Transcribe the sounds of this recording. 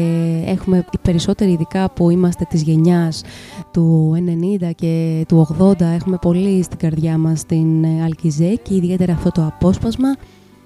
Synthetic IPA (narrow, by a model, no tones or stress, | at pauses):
e̞xume̞ipe̞ɾiso̞t̪e̞ɾiːðikɐpuimɐst̪e̞t̪izʝe̞ɲɐst̪ue̞ne̞nind̪ɐce̞t̪uo̞ɣðo̞nd̪ɐe̞xume̞po̞list̪iɡɐɾðʝɐmɐst̪inɐlcizeceiðie̞t̪e̞ɾɐːft̪o̞t̪o̞ɐpo̞spɐzmɐ